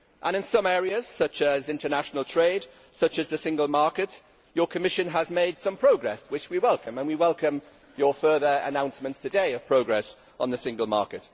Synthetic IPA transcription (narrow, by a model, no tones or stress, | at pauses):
ʔə̃ñɪ̃nsʌ̃mɛːɹiəz̥sʌt͡ʃəzɪ̃ntənaʃənəlˠtʰɹ̥eɪd̥ | sʌt͡ʃəzðəsɪ̃ŋɡəlˠmɑɹkɪʔ | jəkʰəmɪʃə̃nəzmeɪd̥sʌ̃mpʰɹ̥oʊɡɹɛswɪt͡ʃwiwɛlˠkə̃mə̃nwiwɛlˠkə̃m | jəfɜːðəɹə̰nãʊ̃nsmə̃ntstʰɨdeɪəv̥pʰɹ̥oʊɡɹɛs | n̩ðəsɪ̃ŋɡəlˠmɑ̰ˑkɪt